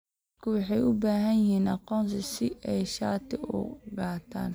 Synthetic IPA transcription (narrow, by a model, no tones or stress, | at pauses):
d | d̪kʰʊwɑħɑjʊbaːɦɐjjɪɦiːnʔɑqɔːns̬ɪsɪʔɛjʃaːt̪ʰɪʊ̰ɡaːt̪ʰa̰ːn